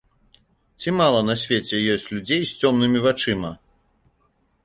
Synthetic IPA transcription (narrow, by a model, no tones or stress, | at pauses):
t͡sʲimalˠɐnɐsʲvʲet͡sʲɛjɔsʲt͡sʲlʲud͡zʲejsʲt͡sʲɔmnɨmʲivat͡ʂɨmɐ